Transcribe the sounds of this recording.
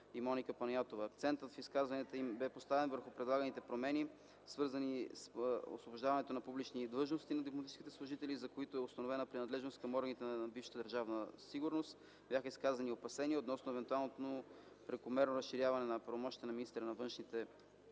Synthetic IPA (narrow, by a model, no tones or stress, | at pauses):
imɔnikəpɐnjat̪ovəːk̚t̪sɛnt̪ət̪fiskazvɐniət̪əimbɛpost̪avɛnvəɾxʊpɾɛd̪lˠaɡənit̪ɛpɾomɛni | svɤɾzɐniso̰svoboʒd̪avɐnɛt̪onɐpublit͡ʃnid̪lˠɤʒnost̪inɐd̪op̬lˠomɐt̪it͡ʃiskit̪ɛslˠʊʒit̪ɛlizɐkoit̪oɛʊst̪ɐnovɛnəpɾinɐd̪lɛʒnost̪̚kɐmɔɾɡənit̪ɛnbifʃə̥t̪əd̪əɾʒavnəsiɡʊɾnost̪ | bʲjaxəiskazɐniopɐsɛniot̪nɔsnoɛvɛnt̪ualˠnot̪no | pɾɛkʊmɛɾnoɾɐsʃiɾʲjavɐnɛnɐpɾɐvomɔʃt̪it̪ənɐminist̪ɾənɐvɤnʃnit̪ɛ